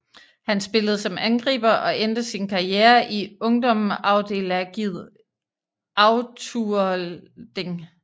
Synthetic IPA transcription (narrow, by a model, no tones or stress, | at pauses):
hænsb̥e̝ləð̞̩ˠsɒ̽mænɡ̥ʁḭːb̥ɐʔɒ̽ʔend̥əsinkʰɑ̈ieːɐʔiɔ̽ŋd̥ɒ̽mɑ̈ʊd̥e̝̰ːlæɡ̥ið̰ˠ | ɑ̈ʊt͡sʰu | d̥e̝ŋ